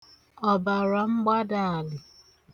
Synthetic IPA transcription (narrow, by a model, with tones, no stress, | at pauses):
ɔ˨ba˨ɾa˨ŋ͡m̩˦ɡ͡ba˦da˨a˨lɪ˨